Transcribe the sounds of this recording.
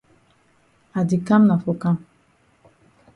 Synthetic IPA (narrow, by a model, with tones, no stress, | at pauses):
a˨di˨ka˦mna˨fo˨ka˦m